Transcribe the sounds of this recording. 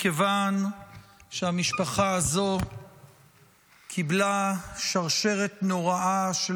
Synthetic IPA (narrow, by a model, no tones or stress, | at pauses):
kevan | ʃeamiʃpaχaazo̞ | kʰiblaʃaʁʃe̞ʁet̪no̞ʁaʔaʃe